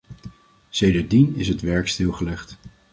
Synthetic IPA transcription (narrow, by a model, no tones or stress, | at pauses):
sejdəɹdinɪsɦətʋɛɹkstɪlˠχəlɛχt